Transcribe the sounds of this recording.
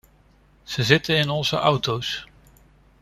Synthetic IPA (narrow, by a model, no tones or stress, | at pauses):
z̥əzɪtənɪnɔnzə̰ʔɑwtows